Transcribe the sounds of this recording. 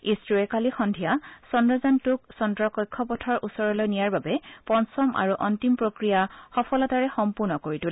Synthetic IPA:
istɹuɛkalixɔndʱijasɔndɹɔzantʊk̚sɔndɹɔkɔjkʰːɔpɔtʰɔɹʔusɔɹɔlojnijaɹbabɛpɔnsɔmʔa̰ɹuʔɔntimpɹokɹijaxɔpʰɔlataɹɛxɔmpuɹnɔkoɹitul

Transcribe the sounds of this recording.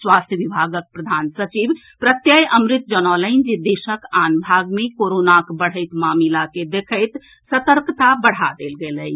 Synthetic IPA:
swaːst̪ʰjəʋibʱaːɡək̚pɾəd̪ʱaːnsət͡ʃib | pɾət̪jəjʔəmɾɪt̪̚d͡ʒənɔləɪnd͡ʒed̪eːʃəkaːnbʱaːɡmẽkoɾoːnakbəɽ̤əɪt̪maːmilaked̪ekʰəɪt̪ | sət̪əɾkt̪abəɽ̤ad̪eːlɡeːləj

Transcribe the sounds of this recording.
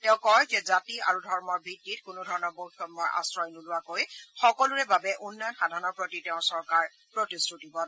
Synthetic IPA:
tɛʊ̃kɔjzɛzatia̰ɹudʱɔɹmɔɹbʱitːitkʊnudʱɔɹɔnɔɹbowxʰɔtmɔja̰sɹɔjnulʊwakojxɔkɔluɹɛbabɛʔunːɔjɔnxadʱaɹɔnɔɹpɹotitɛʊ̃sɔɹkaɹ | pɹotistutibɔn

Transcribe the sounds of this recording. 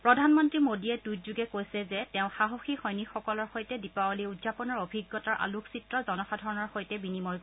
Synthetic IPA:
pɹɔdʱanmɔntɹimodiɛtujtzuɡɛkojsɛzɛtɛʊ̃xaɦoxixɔjnixɔkɔlɔɹxojtɛdipawɔliudzapɔnɔɹobʱiɡːɔtaɹʔa̰lukʰsitɹɔzɔnɔxadʱɔɹɔnɔɹxojtɛbinimɔj

